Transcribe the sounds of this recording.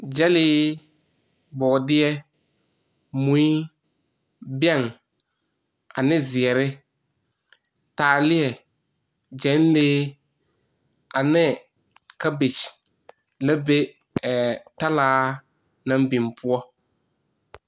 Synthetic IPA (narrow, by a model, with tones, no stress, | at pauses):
d͡ʒɛ˦lɪː˦ | bɔ˨dɪ˦ɛ˦ | mũ˨˦i˦ | bɛ˦˨ŋ | a˨nɪ˦zɪ˨ɛ˨ɾɪ˦ | taː˨lɪ˦ɛ˨ | d͡ʒɛ˨˦n˦leː˦ | a˨nɪ˦ | ka˦bɪ˨t͡ʃ | la˦be˦ | ɛ˨ta˦laː˦ | nã˦m˦bi˨mpʰʊ˦ɔ˦